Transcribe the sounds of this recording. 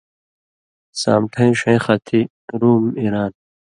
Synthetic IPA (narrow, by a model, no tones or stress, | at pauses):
sa̰ːmʈʰɐ̃ĩʂẽxɐt̪ʰi | ɾuːmiɾaːn